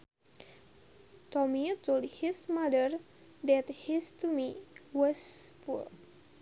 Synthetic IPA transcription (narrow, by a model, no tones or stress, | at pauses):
tɔmitoldhismadəɹ | d̪ɛthistumiwɔsfṵl